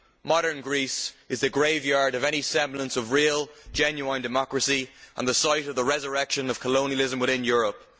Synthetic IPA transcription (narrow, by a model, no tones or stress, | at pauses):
mɑɾə̃˞nɡɹisɪzðəɡɹeɪvjɑɹɾəvɛñisɛ̃mblə̃nsʌvɹiːəlˠd͡ʒɛ̃njuãɪ̃ndɨmɑkɹəsiʔə̰̃nðəsaɪɾʌvðəɹɛzə˞ɛkʃə̃nʌv̥kʰəlõʊ̃niəlɪzə̃mwɪðɪ̃njʊːɹəp̚